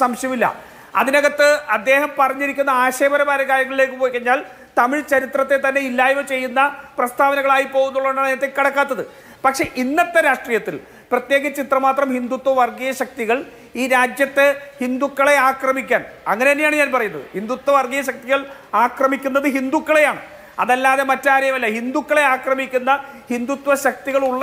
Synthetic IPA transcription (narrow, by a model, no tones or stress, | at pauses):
sɐmɕjɐmilːɐ̰ | ɐ̰ðinɐɣɐt̪ːɨɐd̪ːe̞ːhɐmpɐrɐɲːiɾikʲːunːɐaːɕe̞ːbɐɾɐbaːɾɐkaːɾjɐŋːɐɭilekːɨpoːjkːɐɲːaːl | t̪ɐmiɭt͡ɕɐɾit̪rɐt̪ːet̪ɐnːe̞ilːaːjuʋɐt͡ɕe̞jːunːɐprɐst̪ʰaːʋɐnɐɣɐɭaːjipo̞ːɣunːuɭːɐðuɳɖaeɐt̪ːekɐɽɐkːaːt̪ːɐðɨ | pɐkʂe̞ʔinːɐt̪ːeɾaːʂʈriːjɐt̪ːil | prɐt̪je̞ːɣɐt͡ɕːit̪rɐmaːt̪rɐmhind̪ut̪wɐʋɐrɡijɐɕɐk̚t̪iɣɐɭ | iːɾaːd͡ʑjɐt̪ːehind̪ukːɐɭe̞aːkrɐmikʲːaːnɐ̰ŋːɐneɐnːejaːɳɨɲaːnpɐrɐjunːɐðɨ̰hind̪ut̪wɐʋɐrɡijɐɕɐk̚t̪iɣɐɭaːkrɐmikʲːunːɐðɨɦind̪ukːɐɭe̞jaːɳɨ | ɐ̰ðɐlːaːðe̞mɐtːaːɾɐjɐmɐlːɐhind̪ukːɐɭe̞aːkrɐmikʲːunːɐ | hind̪ut̪ʋɐɕɐk̚t̪iɣɐɭuɭːɐ